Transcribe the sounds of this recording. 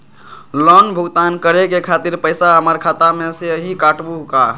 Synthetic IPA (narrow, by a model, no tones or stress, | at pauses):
lɔnbʱʊɡt̪aːnkəɾekekʰaːt̪iɾpəɪsaɦəməɾkʰaːt̪amẽseɦikaʈbuka